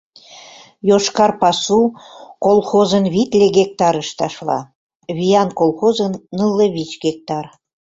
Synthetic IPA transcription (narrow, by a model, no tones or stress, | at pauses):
joʃkɑrpɑsukolˠxozənβit̪lʲeɣek̚t̪ɑɾəʃt̪ɑʃlɑ̰ | βijɑnkolˠxozənːɯlːeβit͡ɕɡek̚t̪ɑr